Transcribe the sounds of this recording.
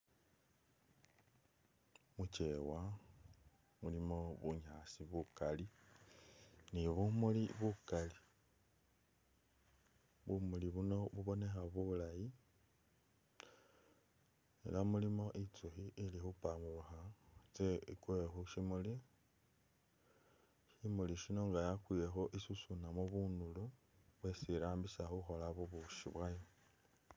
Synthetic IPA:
mut͡ʃewa | mulimo̞βṵɲasiβukali | niβumuliβukali | βumuliβuno̞βuβo̞ne̞xaβulaji | ḛlamulimo̞ʔit͡suxiʔilixupamuuxat͡seikwexuʃimuli | ʃimuliʃino̞ŋɡajakwijexoʔisusunamoβunulu | βwesiɾaːmbisaxuxo̞laβoβuʃḭβwajo

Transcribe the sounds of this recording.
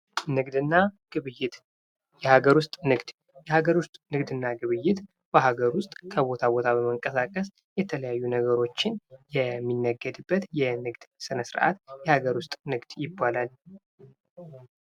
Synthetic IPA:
nɨɡd̪ɨnːaɡ̥ɨβɨjːɪt̪ | jɛhaɡəɾwʊst̪ʼnɨɡd̪̥ | jɛhaɡəɾwʊst̪ʼnɨɡd̪ɨnːaɡɨβɨjːɪt̪ | b̥əɦaɡəɾwʊst̪ʼkʰəβo̞t̪ʰabo̞t̪ʰaβəməŋkʼəsakʼəs | jɛt̪ʰələjajːunəɡəɾo̞t͡ʃːɪnjɛmːinːəɡːəd̪ɨbːət̪jɛnɨɡd̪̥sɨnəsɨɾʔa̰t̪jɛhaɡəɾwʊst̪ʼnɨɡd̪̥jɪbːalal

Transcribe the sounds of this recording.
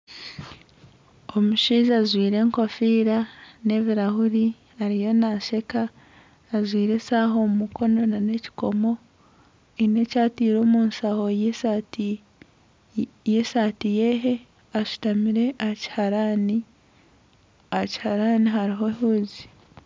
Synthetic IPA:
o̞muʃiːzazwiːɾe̞ːŋko̞fiːɾane̞βiɾahuɾi | aɾijo̞naʃe̞kaː | zwiːɾe̞saːɦo̞mumuko̞no̞nane̞ci̥ko̞mo̞ | ine̞caːtiːɾo̞ːmuːnsaho̞ | jesaːtije̞ɦe̞ | aʃu̥tamiɾe̞ʔaci̥haɾani | aci̥haɾaniɦaɾiɦo̞huːzi̥

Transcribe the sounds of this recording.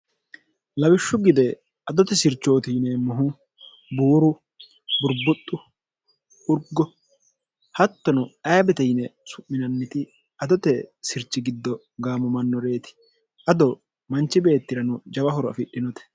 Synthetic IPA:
lɐbɪʃːʊɡɪd̪ɛ | ʔɐd̪ɔt̪ɛsɪɾt͡ʃːo̞ːt̪iːnɛmʊɦʊ | buːɾʊ | bʊɾbʊt̪ʼːʊ | ʊɾɡːɔ | hɐt̪ːɔnʊɐjɐbɛt̪ɛjnɛsʊʔːɪnɐnːɪt̪ɪ | ɐd̪ɔt̪ɛsɪɾt͡ʃːɪɡɪd̪ːɔ | ɡaːmɔmɐnːɔɾe̞ːt̪ɪ̥ | ʔɐd̪ɔ | mɐnt͡ʃːɪbe̞ːt̪ːɪɾɐnʊd͡ʒɐbɐɦɔɾɔɐ̰fɪɗɪnɔt̪ɛ̥

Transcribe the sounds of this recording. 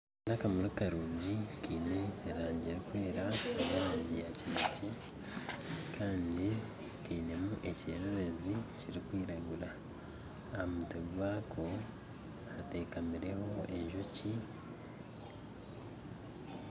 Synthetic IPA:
nakamuɾikaɾuːɲɟikiːne̞ːɾaːɲɟeɾikweːɾaβaːzijacinace | kʰaːndi | kiːne̞muʔe̞ceːɾeɾe̞ziciɾikwiːɾaɡuɾaː | mutewaːkʰo̞ | ate̞ːkamiɾe̞ho̞e̞̰ɲʒoci

